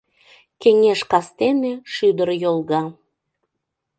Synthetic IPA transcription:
keŋeʃkɑst̪eneʃyd̪əɾjolˠɣɑ

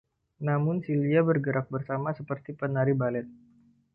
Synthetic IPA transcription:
namʊnsiliabərɡəɾak̚bərsamasəpərt̪ipənaɾibalɛt̪̚

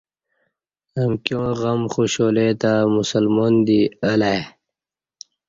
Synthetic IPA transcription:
əmkjõːɣəmxoɕoːlet̪amusəlmoːnd̪iəla

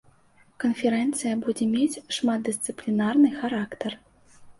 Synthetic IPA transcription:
kɐnfʲɛɾɛnt̪sɨjɐbud͡zʲɛmʲet͡sʲʂmat̪̚d̪ɨst̪sɨplʲinarnɨxaɾakt̪ɐr

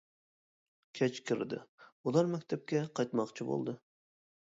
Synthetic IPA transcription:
kʲʰɛt͡ʃkʲʰɪɾd̪ɪ̰ulˠɑɾmɛkʲt̪ʰɛp̚kʲɛqʰɑjt̪mɑqt͡ʃʰibo̰lˠd̪ɨ

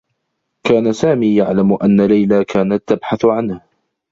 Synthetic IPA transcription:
kaːnasaːmiːjaʕlamʔanːalajlaːkʰaːnat̪ːabħaθʕanha

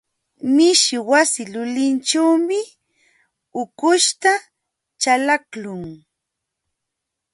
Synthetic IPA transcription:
mɪʃɪwasɪlʊlɪnt͡ʃawmɪ | ʊkʊʃt̪a | t͡ʃalaklʊŋ

